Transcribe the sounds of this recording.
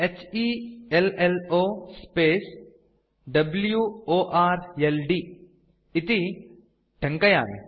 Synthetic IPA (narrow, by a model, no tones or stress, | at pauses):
et͡ʃieleloːspeːs | ɖɐbljuoːʔaːɾelɖi | it̪i | ʈʰɐŋkɐja̰ːn̰